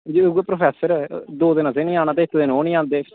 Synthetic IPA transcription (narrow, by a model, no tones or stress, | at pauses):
d͡ʒieɡuepɾoːpʰɛːsəɾd̪oːd̪ɪnãːsenĩːaːñaːt̪eːɪt̪ʰːd̪enoːnĩãːnd̪eː